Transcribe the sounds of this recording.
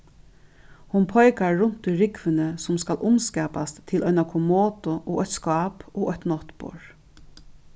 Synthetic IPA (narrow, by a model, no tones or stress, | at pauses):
hʊnpʰɔjkaɹːʊn̥t̪ʊjɾɪkʋɪnəsʊmskalʔʊmskɛːpast̪ʰːɪlʔɔʏnakʰʊmoːt̪ʊʔɔʔɔt̪skɑːpɔʔɔt̪nɔht̪pɔ̰ɹ